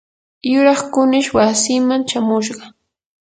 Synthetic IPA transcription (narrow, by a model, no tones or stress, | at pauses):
jʊɾɑχkʊnɪʃwasimant͡ʃamʊʃ̬ɢɑ